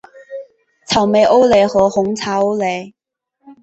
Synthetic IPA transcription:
t͡sʰɐ˨˩wme˨˧jʔo˥wle˨˧hɔː˨˧hʊ˨˥ŋt͡sʰaː˨˧˥o˥wle˨˧

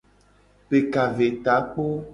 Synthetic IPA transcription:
pe˨ka˨ve˨t̪a˨˦k͡po˦

